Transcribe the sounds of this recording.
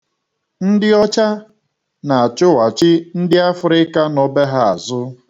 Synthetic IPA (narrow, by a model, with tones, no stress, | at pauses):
n̩˦dɪ˦ɔ˦t͡ʃa˦ | na˨a˨t͡ʃʊ˦wa˨t͡ʃɪ˦n̩˦dɪ˦a˦fʊ˨ɾɪ˦ka˦nɔ˦be˦ɦa˦a˨zʊ˦